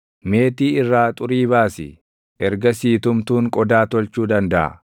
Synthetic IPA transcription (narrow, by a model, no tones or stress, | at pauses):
me̞ːt̪iːɪrːaːt̪ʼʊɾiːβaːsɪ̰ | ʔɛɾɡɐsiːt̪ʊmt̪uːŋkʼɔd̪aːt̪ɔlt͡ʃuːd̪ɐnd̪ɐʔɐ̰